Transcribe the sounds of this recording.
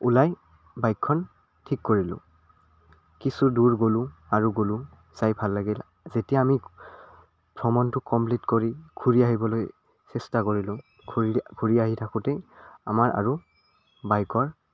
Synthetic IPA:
ulaj | bajkʰːɔn | tʰikːoɹilʊ̰̃ | kisuduɹɡolʊ̃aɹuɡolʊ̃ | z̥ajbʱalːaɡil | zetijaːmi | pʰɹɔmɔntʊkɔmplitkoɹiɡʱuɹiaɦibɔloj | sɛstakoɹilʊ̃ | ɡʰʱuiɡʱuɹiaɦitʰakʊtɛa̰maɹa̰ɹu | bajkɔɹ

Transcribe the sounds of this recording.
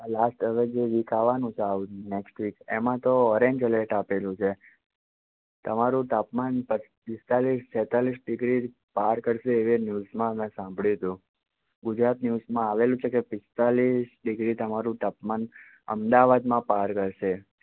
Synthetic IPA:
lasʈəʋed͡ʒeʋikʰaʋanũt͡ʃʰeauneksʈʋikemãt̪oɔɾẽɲd͡ʒleʈapelũt͡ʃʰe | t̪əmaɾũt̪apmanpə | pɪst̪alist͡ʃɛt̪alisɖɪɡɾi | paɾkəɾʃeːʋenjuzmãmɛ̃sãmbʱɭit̪ũ | ɡʊd͡ʒɾat̪njuzmãaʋelũt͡ʃʰekepɪst̪alisɖɪɡɾit̪əmaɾũt̪apman | ə̰md̪aʋad̪mãpaɾkəɾʃe

